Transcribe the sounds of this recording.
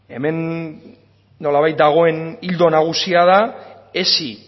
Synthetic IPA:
e̞me̞n | o̞laβajt̪̚d̪aɣ̞o̞e̞nild̪o̞naɣ̞usiaða | esi

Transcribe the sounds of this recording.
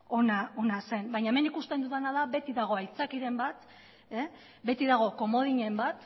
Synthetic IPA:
o̞nao̞nase̞mbajɲaemenikust̪e̞nd̪uðanaðaβe̞t̪iðaɣ̞o̞ajt͡sakiɾe̞mbat̪ | e | be̞t̪iðaɣ̞o̞ko̞mo̞ð̞iɲe̞mbat̪

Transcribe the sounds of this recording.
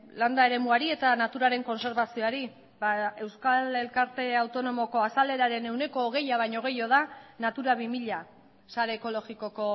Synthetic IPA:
land̪aeɾe̞muaɾie̞t̪anat̪uɾaɾe̞ŋko̞nse̞ɾβasio̞aɾi | bae̞wskale̞lkaɾt̪e̞awt̪o̞no̞mo̞ko̞asale̞ɾaɾe̞ne̞wne̞ko̞ːɣe̞jaβ̞ajɲo̞ɣ̞e̞jo̞ð̞anat̪uɾaβimiʎa | saɾe̞ːko̞lo̞ɣiko̞ko̞

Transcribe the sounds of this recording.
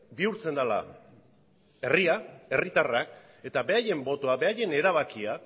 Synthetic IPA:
biuɾt͡se̞nd̪ala̰ | e̞riae̞rit̪arak | e̞t̪abe̞aje̞mbo̞t̪oabe̞aje̞ne̞ɾaβ̞akia

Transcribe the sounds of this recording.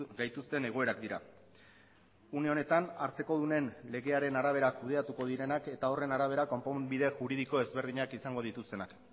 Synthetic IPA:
ɡajt̪ust̪e̞ne̞ɣo̞e̞ɾakd̪iɾa̰ | une̞o̞ne̞t̪anaɾt͡se̞ko̞ð̞une̞nle̞ɣe̞aɾe̞naɾaβ̞e̞ɾakuð̞e̞at̪uko̞ð̞iɾe̞nake̞t̪ao̞re̞naɾaβ̞e̞ɾako̞mpobiðe̞ʝuɾið̞iko̞e̞zβe̞ɾð̞iɲakisaŋɡo̞ð̞it̪ust̪e̞nak

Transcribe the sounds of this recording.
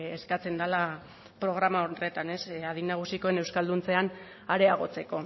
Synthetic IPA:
eskat͡se̞nd̪ala | pɾo̞ɣ̞ɾamaore̞t̪ane̞saðinːaɣ̞usiko̞ene̞wskald̪unt͡se̞an | aɾe̞aɣ̞o̞t͡se̞ko̞

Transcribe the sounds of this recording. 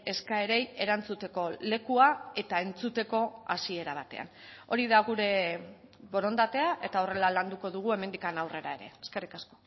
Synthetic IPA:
e̞skae̞ɾe̞je̞ɾant͡sut̪e̞ko̞le̞kuae̞t̪ae̞nt͡sut̪e̞ko̞asie̞ɾaβ̞at̪e̞̰a̰no̞ɾiðaɣuɾe̞ | βo̞ɾo̞nd̪at̪e̞aʔe̞t̪ao̞re̞laland̪uko̞ðuɣ̞ue̞me̞nd̪ikanawre̞ɾa̰eɾe̞̰eske̞rikasko̞̥

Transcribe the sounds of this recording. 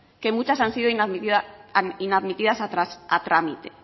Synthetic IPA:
ke̞mut͡ʃasansið̞oinaðmit̪iðaninaðmit̪ið̞asat̪ɾasat̪ɾamit̪e̥̰

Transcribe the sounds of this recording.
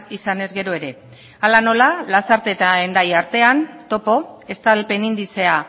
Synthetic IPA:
isane̞zɡe̞ɾoe̞ɾe̞ | alano̞lalasaɾt̪e̞t̪aend̪ajaɾt̪e̞ant̪o̞po̞e̞st̪alpe̞nind̪ise̞a

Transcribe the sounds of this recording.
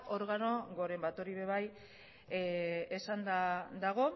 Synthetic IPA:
o̞ɾɣano̞ɡo̞ɾe̞mbat̪o̞ɾiβe̞βaj | e̞sand̪ad̪aɣo̞

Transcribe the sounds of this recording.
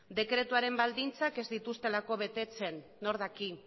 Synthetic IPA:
d̪e̞kɾe̞t̪uaɾe̞mbald̪int͡sake̞zd̪it̪ust̪e̞lako̞β̞e̞t̪e̞t͡se̞nːo̞ɾðaki

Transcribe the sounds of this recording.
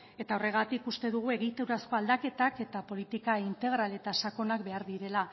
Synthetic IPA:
e̞t̪ao̞re̞ɣ̞at̪ikust̪e̞ðuɣ̞ue̞ɣit̪ewɾasko̞ald̪ake̞t̪ake̞t̪apo̞lit̪ikaint̪e̞ɣ̞ɾale̞t̪asako̞nakbe̞aɾðiɾe̞la

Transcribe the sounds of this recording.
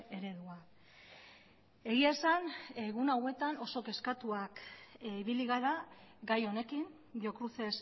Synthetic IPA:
e̞ɾe̞ðua | e̞ɣ̞iaesaneɣunawe̞t̪ano̞so̞ke̞skat̪uakiβiliɣaɾaɡajo̞ne̞kin | bio̞kɾuθe̞s

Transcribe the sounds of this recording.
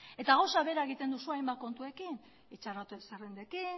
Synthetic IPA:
e̞t̪aɣawsaβe̞ɾae̞ɣit̪e̞nd̪usuajmbako̞nt̪ue̞kin | it͡ʃarat̪uesarend̪e̞ki

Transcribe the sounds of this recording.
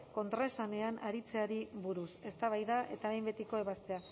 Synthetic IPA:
ko̞nt̪ɾaesane̞anʔaɾit͡se̞aɾiβuɾuse̞st̪aβajðaʔe̞t̪aejmbe̞t̪ikoe̞βast̪e̞a

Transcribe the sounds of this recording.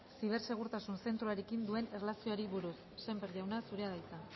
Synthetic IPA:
siβ̞e̞ɾse̞ɣuɾt̪asunse̞nt̪ɾuaɾe̞kind̪ue̞nerelasioaɾiβuɾusːe̞mbeɾʝawnasuɾe̞aðajt͡s̪a

